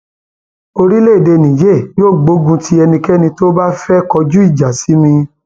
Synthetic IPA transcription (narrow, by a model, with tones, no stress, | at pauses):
o˧ɾi˦le˦i˨de˧˨nĩ˨je˦˨joː˦˨ɡ͡bo˨˦ɡũ˧tʰi˦ɛ˧nĩ˧kɛ˦nĩ˧to˦ba˦fɛ˦kɔ˧d͡ʒu˦i˦˨d͡ʒa˨si˨˦mĩ˧